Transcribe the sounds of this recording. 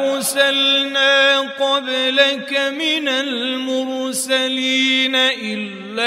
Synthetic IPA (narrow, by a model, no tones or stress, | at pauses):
ɾsalnaːqɔblakamɪnalmʊɾsaliːnaʔɪlː | a